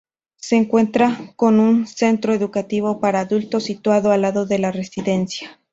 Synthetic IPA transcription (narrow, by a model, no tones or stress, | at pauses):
se̞ːŋkwe̞nt̪ɾako̞nunse̞nt̪ɾo̞e̞ðukat̪iβ̞o̞paɾaːðult̪o̞sit̪waðo̞alaðo̞ðe̞lare̞siðe̞nsja